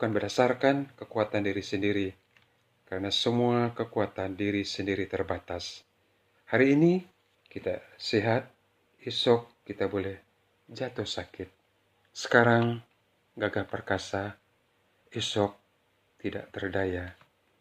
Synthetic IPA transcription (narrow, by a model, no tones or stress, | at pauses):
bukanbərdasarkankəkuat̪andiɾisəndiɾi | kəɾənasəmuakəkuat̪andiɾisəndiɾit̪ərbat̪as | haɾiːni | kit̪a̰siɦat̪̚ | isɔkːit̪abolɛh | d͡ʒat̪ɔhsakɪt̪̚ | sə̥kaɾaŋ | ɡaɡahpərkasa | isɔk̚ | t̪ida̰ʔt̪ərdaja